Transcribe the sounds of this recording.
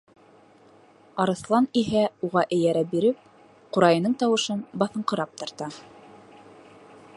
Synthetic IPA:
ɑɾɤ̆θlˠɑniɦæuʁɑʔɘ̆jæɾæbiɾɘp̚ | qŭɾɑjɤ̆nɤɴt̪ɑwɤ̆ʃɤnbɑθɤ̆ɴqɤ̆ɾɑp̚t̪ɑ̆ɾt̪ɑ

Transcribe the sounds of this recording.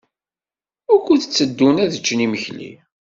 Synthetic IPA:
ʊɾkʷʊθət͡sːəd̪ːunæðət͡ʃːniməçlḭ

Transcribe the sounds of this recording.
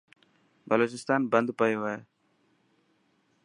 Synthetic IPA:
bəloːt͡ʃɪst̪aːnbə̃nd̪pəjoːʋəe

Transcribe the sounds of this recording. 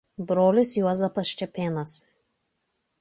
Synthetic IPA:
bɾoːlʲɪsjuɔzɐpɐsʃʲt͡ʃʲɛpʲeːnɐs

